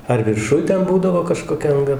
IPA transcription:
ɐr ʋʲɪrˈʃʊj ˈtʲɛn ˈbuːdɐʋoː kɐʃkoːˈkʲɛ ɐŋˈɡɐ

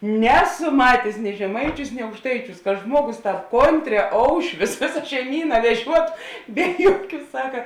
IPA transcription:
ˈnʲæːˌsʊ ˈmɑːtʲeːs nʲɪ ʒʲɛˈmɐɪˌt͡ʃʲuːs nʲɪ ɐʊkʃˈtɐɪˌt͡ʃʲuːs kɐ ˈʒmuɔˌɡʊs ˈtɑːp ˈkoːnʲˈtʲrʲɛː ˈoːʊʃʲʋʲʊs ˈʋʲeːsɐ ʃʲɛɪˈmʲiːnɐ ʋʲɛˈʒʲuɔtʊ ˈbʲɛ juɔˌkʲuː ˈsɑːkɐ

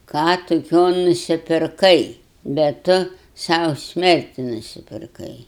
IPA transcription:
ˈkɑː tʊˈkʲoː nʊsʲɪpʲɪrˈkɐɪ bʲɛt ˈtʊ ˈsɐʊ ˈsʲmʲɛrʲtʲɪ nʊsʲɪpʲɪrˈkɐɪ

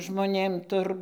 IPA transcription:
ʒmoːˈnʲeːm ˈtʊr

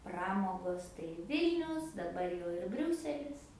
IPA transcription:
ˈprɑːmoːɡoːs tɐɪ ˈʋʲɪlʲnʲʊs dɐˈbɐr jɛʊ ɪr ˈbʲrʲuːsʲɛlʲɪs

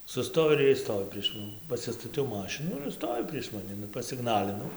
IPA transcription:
sʊˈstoːj ɪr ˈiɛj ˈstoːʋʲɪ pʲrʲiɛʃ ˈmɑːnʲɪ pɐsʲɪstɐˈtʲɛʊ ˈmɑːʃʲɪnuː ɪr ˈstoːʋʲɪ pʲrʲiɛʃ mɐˈnʲɪ nʊ pɐsʲɪˈɡnɑːlʲɪnɐʊ

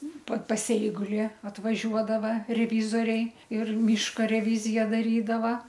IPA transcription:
pɐ pɐs ˈɛɪɡʊlʲɪ ɐtʋɐˈʒʲuɔdɐʋɐ rʲɛˈʋʲiːzoːrʲɛɪ ɪr ˈmʲiːʃkɐ rʲɛˈʋʲiːzʲɪjɛ dɐˈrʲiːdɐʋɐ

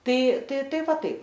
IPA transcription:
ˈtɐɪ ˈtɐɪ ˈtɐɪ ˈʋɐ ˈtɐɪp

